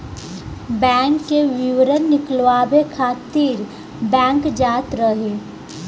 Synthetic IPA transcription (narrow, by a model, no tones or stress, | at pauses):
bɛ̃ːŋkːeʋɪwɾənːɪklʋaːbekʰaːt̪iːɾ | bɛ̃ːŋkd͡ʒaːt̪ɾəɦeː